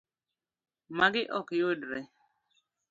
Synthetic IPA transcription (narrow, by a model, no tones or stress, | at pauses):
maɡɪʔɔkjodɾɛ